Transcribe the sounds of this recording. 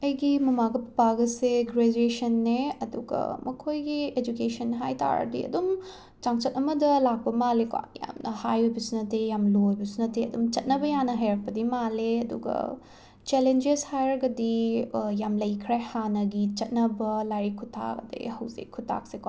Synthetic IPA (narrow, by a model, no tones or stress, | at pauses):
ɐjɡimɐmaɡɐpɐpaɡɐseɡɾed͡ʒuesɐnːeɐduɡɐ̰mɐkʰojɡied͡ʒukesɐnːɦajtʰa̰ɾɐ̰dḭɐ̰dum | t͡ʃaŋt͡ʃɐt̚ʔɐmɐdɐlak̚pɐmaleka̰ŋja̰mnʔɐhajojbɐsunɐtejamlojbɐsunɐteɐdumt͡ʃɐt̚nɐbɐjanɐɦɐjɾɐk̚pɐdimaleɐdṵɡɐ̰ | t͡ʃelend͡ʒeshajɾɐɡɐdijamlɐjkʰɾehanɐɡit͡ʃɐt̚nɐbɐlaɾikʰutʰa̰ɡɐ̰dḛhɐwzḭkʰːutʰa̰k̚seka